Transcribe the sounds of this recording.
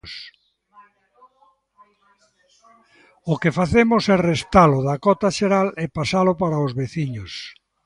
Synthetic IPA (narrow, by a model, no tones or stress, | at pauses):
s | ʊkefaθemʊsɛrest̪alʊðakɔt̪aʃeɾalepasalopaɾaozβeθiɲos